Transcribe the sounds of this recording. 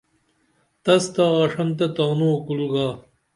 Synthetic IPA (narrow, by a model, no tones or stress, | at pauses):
t̪ɐst̪aʁɐʂɐnt̪̬ɐt̪aːnokulɡaː